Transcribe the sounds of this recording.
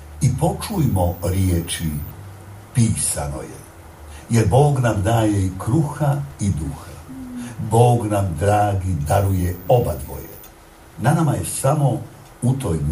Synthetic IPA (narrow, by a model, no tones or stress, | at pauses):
ipo̞t͡ʃujmoɾjet͡ʃi | piːsa̰no̞̰jḛ | jeɾbo̞ːɡnamd̪aːje̞ikɾuxaid̪uxabo̞ːɡnamd̪ɾaːɡid̪aɾujeo̞bad̪ʋo̰jḛ | nanamajesamo̞ | ut̪oːj